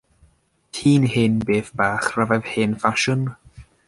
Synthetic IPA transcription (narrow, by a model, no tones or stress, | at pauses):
tʰiːnhɪnbeːθb̥aːχravɛðhɪːnfaʃən